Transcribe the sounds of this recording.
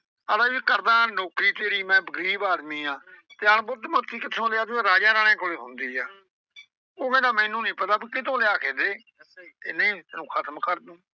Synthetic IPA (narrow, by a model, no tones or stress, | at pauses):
əd̪aːʋiːkəɾd̪ãːnoːkɾiːt̪eːɾiːmɛ̃ːbəɡɾiːbaːd̪miːãːt̪eːənbʊd̪mə̃kiːkɪt̪ʰõːleaːd̪ẽːɾaːd͡ʒaːɾaːɽẽːkoːleːɦʊnd̪iːaː | oːmẽːd̪aːmɛ̃ːnũːnĩːpət̪aːpːkɪt̪̬õːleaːkʰeːd̪eː | t̪eːnəĩːt̪enũːkʰət̪əmkəɾd̪ũː